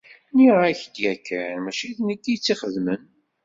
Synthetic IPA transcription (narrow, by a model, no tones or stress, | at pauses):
niʁaçd̪jækʰːnmæʃiðnəɡːit͡sːiχəðmən